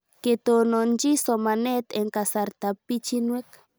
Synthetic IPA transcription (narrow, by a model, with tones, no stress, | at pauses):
ke˨t̪o˨no˨nd͡ʒi˦so˨ma˨ne˦t̪e˨ŋka˨sa˨ɾt̪a˨pi˦t͡ʃi˦nwe˦k